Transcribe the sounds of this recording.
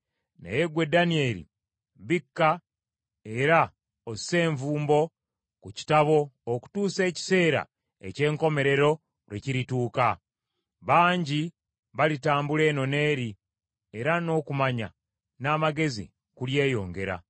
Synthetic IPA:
nḛjeɡwe̞danie̞ɾḭ | βikːa | e̞ɾa | ose̞ːɱvuːmbo̞ | kuci̥taβo̞ːku̥tuːse̞ːci̥se̞ːɾa̰ | e̞̰ce̞ːŋko̞me̞ɾe̞ɾo̞ | ɾweciɾituːka | βaːɲɟi | βalitaːmbule̞ːno̞ne̞ːɾi | e̞ɾano̞kumaɲa̰ | naːmaɡe̞zḭ | kulje̞ːjo̞̰ːŋɡe̞ɾa̰

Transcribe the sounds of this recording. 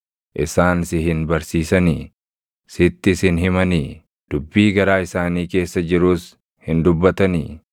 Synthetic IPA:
ʔɪsaːnsɪɦɪnbɐɾsiːsɐniː | sɪt̪ːɪsɪnɦɪmɐniː | d̪̥ʊbːiːɡɐɾaːɪsaːniːke̞ːsːɐd͡ʒɪɾuːs | hɪnd̪ʊbːɐt̪ɐnḭː

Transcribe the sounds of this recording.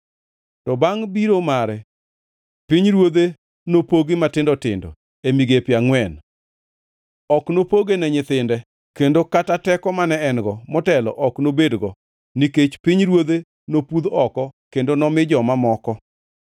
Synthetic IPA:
tɔbaŋbiɾomaɾɛ | piɲɾwod̪e | nopoɡɪmatɪndɔtɪ̰ndɔ̰ | emiɡepjaŋwɛn | ɔknopoɡenɛɲɪt̪ɪndɛ | kendokatatɛkɔmanɛɛnɡɔmɔtɛlɔ̰ʔɔknobedɡɔ | niket͡ʃpiɲɾwod̪e | nopud̪ɔkɔkendonɔmɪd͡ʒɔmamɔkɔ

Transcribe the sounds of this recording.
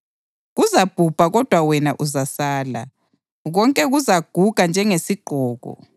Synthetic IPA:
ɣuzab̥ʱub̥ʱaɣɔd̥ʱwawɛnaʔuzasaːla̰ | ɣɔŋkʼɛɣuzaɡ̥ʱuɣ̥ʱand͡ʒʱɛŋesiɡ͡ǃʱɔːɣɔ̰

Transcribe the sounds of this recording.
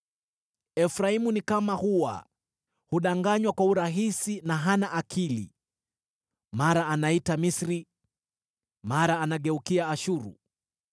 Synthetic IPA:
ɛfɾaimunikamahuwa̰ | huɗaŋɡaɲwakwauɾaɦisinaɦanaʔakʰilḭ | maɾaːnaitamisɾi | maɾaːnaɠɛukiaːʃuɾṵ

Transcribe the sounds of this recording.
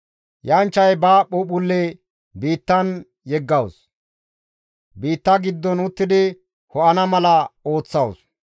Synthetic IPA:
jɐnt͡ʃːɐjbaːɓʊɓʊlːe | biːt̪ːɐn | jɛɡːɐws | biːt̪ːɐɡɪd̪ːɔnʊt̪ːɪd̪ɪ | hɔʔɐnɐmɐlɐo̞ːt͡sːɐws

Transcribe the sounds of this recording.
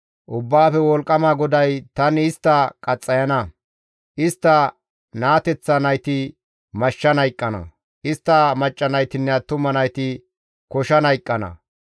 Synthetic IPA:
ʔʊbːaːfɛwɔlkʼːɐmaːɡɔd̪ɐjt̪ɐnɪst̪ːɐkʼɐt͡sʼːɐjɐnɐ | ʔɪst̪ːɐ | naːt̪ɛt͡sːɐnɐjt̪ɪ | mɐʃːɐnɐjkʼːɐnɐ̰ | ʔɪst̪ːɐmɐt͡ʃʼːɐnɐjt̪ɪnːɛɐt̪ːʊmɐnɐjt̪ɪ | kɔʃɐnɐjkʼːɐnɐ̰

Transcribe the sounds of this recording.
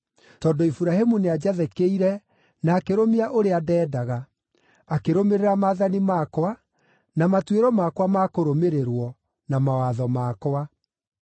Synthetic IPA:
tɔːdoifuɾaɦemunead͡ʑaðɛkeiɾɛ | naːkeɾomiaʔoɾeadɛːdaɣa | akeɾomeɾeɾamaːðanimakwa | namatweɾɔmakwamakoɾomeɾeɾwɔ | namawaðɔmakowa

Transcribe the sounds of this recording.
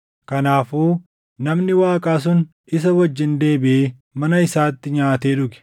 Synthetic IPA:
kɐnaːfuː | nɐmnɪwaːkʼaːs̬ʊn | ɪs̬ɐwɐd͡ʒːɪnd̪e̞ːbɪeː | mɐnɐɪsaːt̪ːɪɲaːt̪e̞ːᶑʊkɛ̥

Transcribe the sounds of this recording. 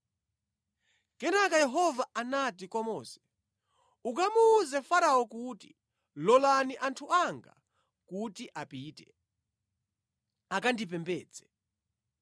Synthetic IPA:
kɛnakajɛɦɔvaanatikwamɔːsɛ̥ | ukamuːzɛfaɾaɔkuti̥ | lɔlaniʔantʰuaŋɡa̰ | kutiʔapiːtɛ | akandip̬ɛmbɛːd͡zɛ

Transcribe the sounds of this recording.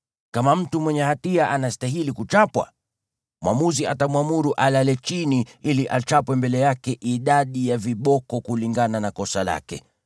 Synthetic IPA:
kamam̩tumwɛɲɛhatiaʔanastaɦilikut͡ʃapwa̰ | mwamuziatamwamuɾuʔalalɛt͡ʃiniiliʔat͡ʃapwɛmbɛlɛjakɛʔiɗaɗijaviɓɔkɔkuliŋɡananakɔsala̰kɛ̰

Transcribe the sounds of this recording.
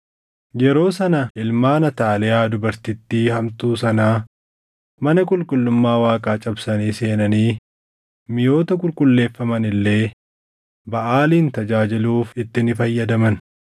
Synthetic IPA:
jɛɾo̞ːsɐnɐʔɪlmaːnɐt̪aːlɛjaːd̪ʊbɐɾt̪ɪt̪ːiːhɐmt̪uːsɐnaː | mɐnɐkʼʊlkʼʊlːʊmːaːwaːkʼaːt͡ʃʼɐbsɐniːse̞ːnɐniː | mɪjo̞ːt̪ɐk̬ʼʊlkʼʊlːe̞ːfːɐmɐnɪlːe̞ː | bɐʔaːliːnt̪ɐd͡ʒaːd͡ʒɪluːfɪt̪ːɪnɪfɐjːɐd̪ɐmɐn

